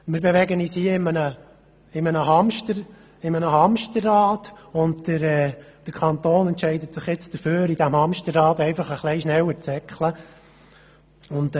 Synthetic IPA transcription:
mɪːɾbeʋɛɡəniːshiəɪmənə | ɪmənəɦɑmʃtəɾ | ɪmənəhɑmʃtərːɑːtʊndtəɾɛːd̥əɾkʰɑnt̪oːnɛntʃɛɪdətsɪχjɪt͡sd̥əføːɾid̥æmhɑmʃtərːɑːtɛɪfɑχəχlɛɪʃnɛwəɾt͡sɛkʰχlə | ʊnd

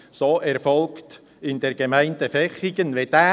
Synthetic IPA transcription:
soːʔɛɾfɔlkt | ɪndɛɾɡ̥emæɪntəfɛχiɡ̥ənʋɛdæː

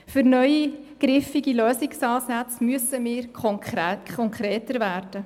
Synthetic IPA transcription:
fʏɾnœʏi | ɡ̥ɾɪfiɡiløːsɪksɑːsat͡smyəsəmɪːɾkʰɔkʰɔŋkɾeːtəɾvæːrd̥ə

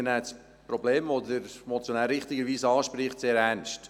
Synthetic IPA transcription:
ənæːt͡s | pɾɔbleːmvodəɾmɔt͡sjonæːlɾɪχt̪ɪɡəɾʋiːsɑːʃpɾɪχtseːɾænʃt

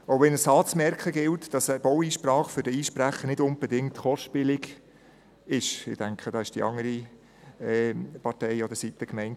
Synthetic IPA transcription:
oʊʋɛnəsɑːt͡smɛɾkʰχəɡɪltd̥ɑsb̥ɔwiːʃprɑːχfʏɾd̥əiːʃpræχənɪdʊnb̥ɛdɪŋtχɔʃpɪlɪɡ | ɪʃɪ̰d̥æŋkχəd̥ɑɪʃd̥iɑ̰ŋəɾi | ɛːpɑɾtɛɪɔd̪əsitəkmɛɪnt

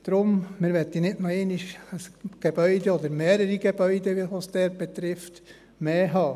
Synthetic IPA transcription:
d̥̪ɾʊmmɪːɾʋɛt̪ːinɪtnɑeːniʃəsɡ̥eb̥œʏd̪ɛɔd̪əɾmeːɾəɾiɡ̥eb̥œʏd̪əʋiʋɑsd̥̪ɛːɾb̥ɛt̪ɾɪft̪ | meːɦɑː

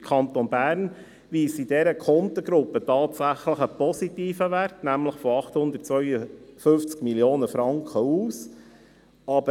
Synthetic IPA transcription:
kʰɑnt̪onbæːɾn | ʋiːsidɛɾəkʰɔnt̪əɡ̥ɾʊpːətɑːtsæχləχəpɔsitiːfəʋærtnæmləχfɔɑχthʊnd̪ət̚t͡sʋœʏəfʏft͡skmiljoːnəfɾɑŋkχəuːs | ɑbə

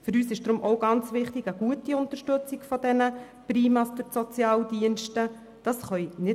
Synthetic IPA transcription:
fɵɾyːsɪʃd̥ɾʊmʔɔʊɡɑnt͡sʋɪχtɪɡəɡ̥uətiʊntəɾʃtɵt͡sɪɡfɔdɛnə | pɾiːmɑsd̥ʏɾsɔt͡sjɑːldiənʃtə | d̥ɑsχœjnɪ

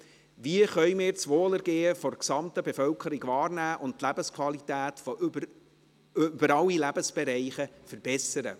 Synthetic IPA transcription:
ʋiəχœʏmɪːɾt͡sʋoːləɾɡeːəfɔrksɑmt̪əbefœlkʰəɾɪɡʋɑːrnæːʔʊntt̪læb̥əskʰvɑlit̪æːt̪fo | bəɾɑlːilæb̥əsb̥eɾɛɪχəfəɾb̥ɛsəɾə̰

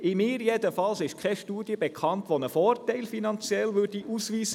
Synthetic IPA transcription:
ɪmɪːɾjɛd̪əfɑlsɪʃkʰɛʃtuːd̪jəbɛkʰɑntʋonəfɔːrtɛɪlfinɑnt͡sjɛlʋʏɾd̥iʔusʋiːsə

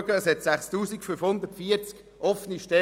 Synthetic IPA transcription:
ɡəəshɛtsæχstuːsikfynfhʊnd̪ətfiːəɾt͡sk | ʔɔfəniʃtɛ

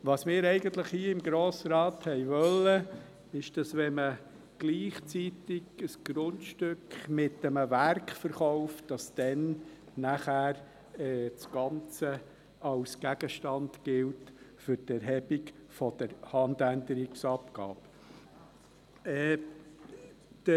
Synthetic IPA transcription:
ʋɑsmɪːɾɛɪɡənt̪ləχhiəɪmɡɾoːsɾɑːt̪hɛɪʋœlːə | ɪʃd̥ɑsʋɛmə | ɡ̥liːχt͡sitɪɡəsɡ̥ɾʊntʃtʏkχmɪtːəməvæɾkχfəɾχɔʊftd̥ɑsd̥ɛn | næχæːɾ | ɛːt͡sɡ̥ɑnt͡sə | ɑwsɡ̥æɡəʃtɑndɡ̥ɪltfʏɾtɛɾɦɛbiɡfɔd̪̥əɾhɑndændəɾiksɑpɡ̥ɑ̰ːb | ɛ | d̥

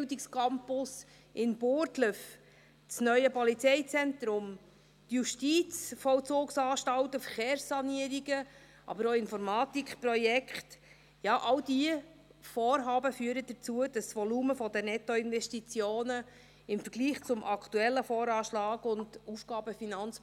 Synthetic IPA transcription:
ldikskɑmpʊs | ʔɪnb̥ʊːɾtləf | t͡snœʏəpɔlit͡sɛɪt͡sɛnt̪ɾʊm | t̪juʃtit͡sfɔlt͡sʊːksɑːʃtɑwtəfəɾχeːrsːɑniəɾiɡə | ʔɑ̰bəɾoːɪnfɔɾmɑːtikχprɔjɛkχt | jɑːʔɑwdiə | foːɾɦɑːbəfyːəɾəd̥ət͡suəd̥ɑsʋɔluːməfɔdənɛtɔɪnvɛʃtit͡sjoːnə | ɪmfəɾɡliːχt͡sʊmʔɑktuɛlːəfɔːɾɑːʃlɑːɡʊndufɡ̥ɑːbəfinɑnt͡s

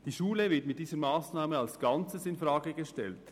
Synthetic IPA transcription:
d̥iːʃuːləvɪtmɪt̚diːzəmaːsnaːməalsɡ̥ant͡səsɪnfʁaːɡəɡəʃtɛlt

